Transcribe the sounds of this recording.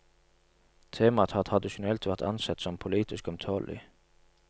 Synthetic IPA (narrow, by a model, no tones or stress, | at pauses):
t̪ʰeːmɑt̪ʰɑt̪ʰhɑd̪ɪʃʊnɛlt̪ʋæʁt̪ɑ̰nsɛt̪sɔmpʰʊliːt̪ɪskɔmt̪ʰoːlʔɪ̰